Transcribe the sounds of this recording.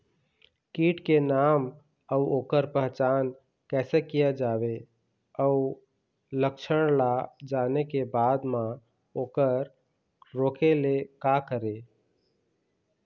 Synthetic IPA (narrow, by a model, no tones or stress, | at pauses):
kiːʈkenaːm | əuoːkəɾpəɦt͡ʃaːn | kɛːsekijad͡ʒaːʋe | əu | ləkʃʰəɽ̃lad͡ʒaːnekebaːd̪mã | oːkəɾ | ɾoːkelekakəɾe